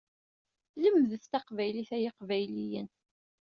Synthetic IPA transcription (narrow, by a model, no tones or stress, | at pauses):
ləmðəθt̪ɑqvæjliθæjɪqvæjlijən